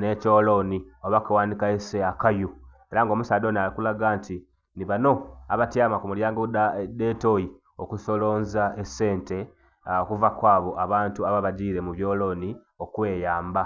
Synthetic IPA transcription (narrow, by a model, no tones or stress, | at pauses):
ne̞co̞ːlo̞nioβakawaːndikaeseakaju | e̞ɾaŋɡo̞musaːdo̞ːnialikulaɡaːntʰi | niβano̞a̰βatjaːmakumuljaːŋɡodde̞to̞ji | okuso̞lo̞ːnzaese̞ːnte̞ | okuvakwaːβo̞ʔaβaːntuaβaβaɟiːɾe̞muβjo̞ːlo̞ːni | o̞kwe̞ːjaːmba